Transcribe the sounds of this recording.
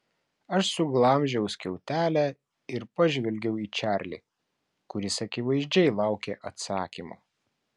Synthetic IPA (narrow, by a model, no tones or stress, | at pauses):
ɐʃsʊɡlˠɐmʲʒʲɛʊsʲkʲɛʊt̪ʲæːlʲæ | ɪɾpɐʒʲʋʲɛlʲɡʲɛʊiːt͡ʃʲæˑɾʲlʲḭː | kʊɾʲɪsɐkʲɪʋɐɪzʲd͡ʒʲɛɪlˠɑˑʊkʲeːʔɐt̪sɑːkʲimo̰ː